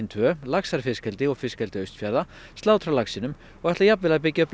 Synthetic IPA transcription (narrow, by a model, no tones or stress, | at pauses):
nt̪ʰvœlaksaɾ̥fɪskɛlt̪ɪɔɣfɪskɛlt̪ɪœɥst̪fjaɾða | st̪aːwt̪ʰɾawlaksinʏm | ɔɣaht̪lajapvɪlap̬ɪcːœpn